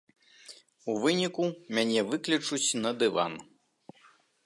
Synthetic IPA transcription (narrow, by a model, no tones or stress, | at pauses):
uvɨnʲikumʲanʲɛvɨklʲit͡ʂut͡sʲnɐd̪ɨva̰n